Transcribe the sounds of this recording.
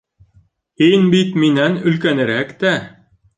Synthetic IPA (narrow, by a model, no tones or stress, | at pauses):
hinbit̪minænɵ̆lkænɘ̆ɾækt̪æ